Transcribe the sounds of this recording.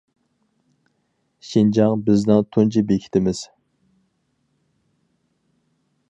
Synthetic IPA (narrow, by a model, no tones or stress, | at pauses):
ʃind͡ʒɑŋbɪznɨŋt̪ʰunt͡ʃʰibekʲʰi̥t̪ʰɪmɪz̥